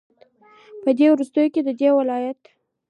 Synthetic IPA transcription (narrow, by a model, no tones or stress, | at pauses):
pəd̪ewɾust̪əjoked̪əd̪ewɪlɑjat̪